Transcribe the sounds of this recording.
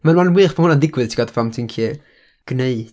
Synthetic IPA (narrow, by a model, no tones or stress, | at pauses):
manmanwiːχpʰanhʊnandɪɡwɨðtʰiɡadfamtʰinkʰiː | ɡ̥neɨd̥